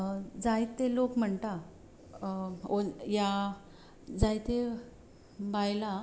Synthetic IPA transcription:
d͡zajt̪ːelokm̤əɳt̪a | oja | d͡zajt̪e | bajla

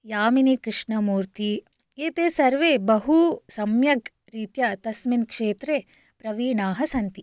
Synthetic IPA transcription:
jaːminikɾɪʂɳɐmuːɾt̪i | eːt̪eːsɐɾʋebɐɦusɐmjɐɡ | ɾiːt̪jɐt̪ɐsminkʂeːt̪ɾeː | pɾɐʋiːɳaːɦɐsɐnt̪i

